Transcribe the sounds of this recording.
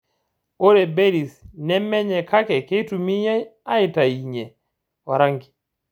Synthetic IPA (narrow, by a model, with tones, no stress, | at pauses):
o˦ɾe˨be˦ɾi˨snɛ˦mɛ˦ɲɛ˨ka˦kɛ˨ke˦tu˨mi˦ɲa˦a˦ɪ˨ta˨i˨ɲɛ˨ | wa˨ɾa˦ŋɡi˨